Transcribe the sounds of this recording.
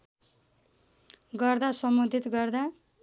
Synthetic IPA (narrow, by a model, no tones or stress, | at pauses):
ɡʌrd̪asʌmbʌd̪ʱit̪ɡʌrd̪a